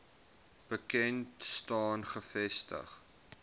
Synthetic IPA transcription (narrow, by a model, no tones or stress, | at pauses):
b̥əkɛntstɑːnχəfɛstə̰χ